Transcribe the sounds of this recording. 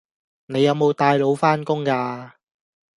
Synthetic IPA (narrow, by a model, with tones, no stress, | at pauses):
ne˨˧jɐ˨˧wmo˨˧wt̪aː˧jlo˨˥wfaː˥nkʊ˥ŋkaː˧